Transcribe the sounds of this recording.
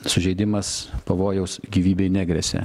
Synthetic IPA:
sʊʒʲɛɪd̪ʲɪmɐspɐʋoːjɛʊsɡʲiːʋʲiːbʲɛɪnʲæːɡɾʲɛsʲɛ̰

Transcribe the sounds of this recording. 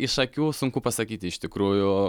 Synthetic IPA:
ɪʃɐkʲuːsʊŋkupɐsɐkʲiːt̪ʲɪɪʃʲt̪ʲɪkɾuːjʊ

